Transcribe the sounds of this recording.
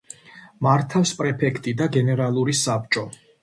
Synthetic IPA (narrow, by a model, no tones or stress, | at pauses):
maɾt̪ʰafspʼɾɛpʰɛkʰt̪ʼid̪aɡɛnɛɾalˠuɾisap̚t͡ʃʼɔ